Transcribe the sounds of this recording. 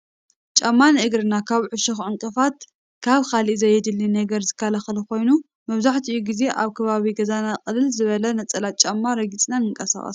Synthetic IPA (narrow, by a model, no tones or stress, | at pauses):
t͡ʃʼamːanʔɨɡɾɨnakʰaβʕʊʃɐxʕɨŋkʼɨfat̪ | kʰaβkalizɐjɛd̪ɨlːinɐɡɐɾzɨkʰːalaxɨlko̞jnu | mɐβzaħt̪ʰiɨjuɡize̞ʔaβkʰɐβaβiɡɐzanaqʼɨlɨlzɨβɐlɐnɐt͡sʼɐlat͡ʃʼɐmːaɾɐɡit͡sʼnanɨŋkʼɐsa̰χʼɐ̰s